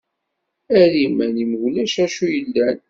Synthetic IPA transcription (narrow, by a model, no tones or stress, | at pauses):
ælimænimʝlæʃæʃujəlːæn